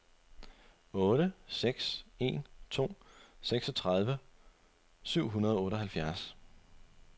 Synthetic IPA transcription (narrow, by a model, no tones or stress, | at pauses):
ɔ̽ːɾ̥əseɡ̥se̝̰ːnt͡sʰo̝̰ːseɡ̥sɒ̽t͡sʰʁɑð̞ˠʋə | syʊ̰ɦunɐð̞ˠɒɔ̽ːɾəɦælfjæɐs